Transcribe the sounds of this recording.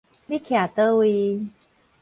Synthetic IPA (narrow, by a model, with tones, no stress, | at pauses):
li˦kʰja˨˩t̪ə˦wi˧